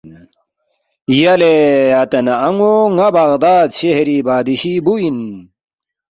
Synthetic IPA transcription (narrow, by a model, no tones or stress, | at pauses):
jɐleɐt̪ɐnɐːŋoŋɐbɐɣd̪aːd̪ɕehɾibaːd̪iɕibuin